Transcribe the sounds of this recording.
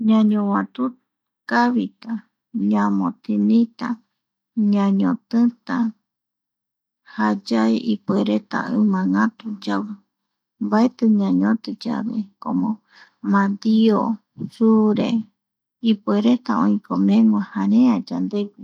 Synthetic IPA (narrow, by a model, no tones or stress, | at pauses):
ɲãɲõwãt̪u | kaβit̪a | ɲãmõt̪ʰinĩt̪a | ɲãɲõt̪ɨt̪a | had͡ʒaeʔipeɾet̪a̰ɨmãŋãt̪ud͡ʒawɨ | mbaet̪ɨɲãɲõt̪ɨd͡ʒa̰βḛkõmõ | mãd̪io | suɾe | ipeɾet̪aõĩkʰomẽŋʷahãɾẽad͡ʒand̪eɡi